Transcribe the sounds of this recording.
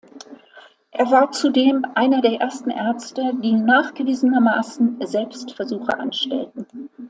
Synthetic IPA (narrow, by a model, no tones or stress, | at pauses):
ʔeːɐvaːɐt͡sudeːmʔaɪnɐdeːɐʔeːɐstn̩ʔɛɐt͡stədiːnaːχɡ̥əviːzənɐmaːsn̩zɛlpstfɛɐzuːxə̰ʔa̰nʃtɛ̰ltn̩